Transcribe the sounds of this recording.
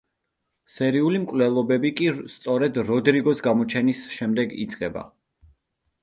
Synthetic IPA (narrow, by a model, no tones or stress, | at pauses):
sɛɾiulimkʼwlɛlˠɔbɛbikʼist̪sʼɔɾɛd̪ɾɔd̪ɾiɡɔsɡamɔt͡ʃʰɛnisʃɛmd̪ɛɡḭt̪sʼqʼɛba̰